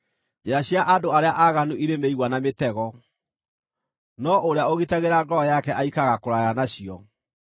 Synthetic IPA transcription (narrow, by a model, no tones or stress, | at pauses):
jaɕiaʔadoaɾeaʔaɣanuʔiɾemeiɣwanametɛɣɔ | nɔoɾeaoɣitaɣeɾaɡɔjakɛʔaikaɣakoɾajanaɕiɔ